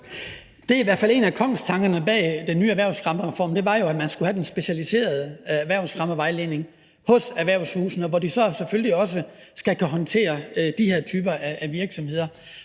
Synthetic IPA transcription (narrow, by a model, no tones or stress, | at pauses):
d̥e̝æiʋæɐ̰fæle̝̰ːnækʰɒ̽ŋ̰st͡sʰɑ̈ŋɡ̥ɐnəb̥ɛ̰ːd̥enːyːæʋæɐ̰ʊsʁɑ̈məʁɛfɒ̰ːmd̥e̝ʋɑ̈jo̝æmænsɡ̥uhæd̥ensb̥e̝ɕælise̝̰ːɐð̞ˠəæʋæɐ̰ʊsʁɑ̈məʋɑ̈ɪle̝ːne̝ŋ | hɔ̽sæɐʋæɐʊshuːsn̩ɒ̽ʋɒd̥isɒ̽sefølliɒ̽s̬ə | sɡ̥ækʰæɦɒ̽nt͡sʰe̝̰ːɐd̥ihe̝ɐt͡sʰyːb̥ɐʔææʋiɐɡ̥sɒ̽mhe̝ðˠɐ